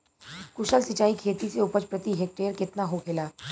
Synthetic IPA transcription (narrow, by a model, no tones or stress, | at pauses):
kʊʃəlsɪt͡ʃaːikʰeːt̪iseʊpət͡ʃpɾət̪iɦek̚ʈeːəɾkɪt̪naɦokʰɪlaː